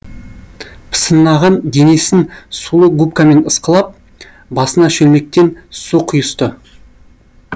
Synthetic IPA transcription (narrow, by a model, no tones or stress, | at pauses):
pʰə̥sənːɑʁɑnd̪ʲene̞sɪnsulˠəɡupkame̞nəsqəlˠɑp̚ | bɑsənɑʃɵlme̞k̚t̪e̞nsuqʰʊjəst̪ə